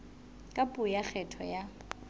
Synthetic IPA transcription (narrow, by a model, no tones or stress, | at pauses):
kʼapʼʊjak͡xʰɛtʰɔ̰ja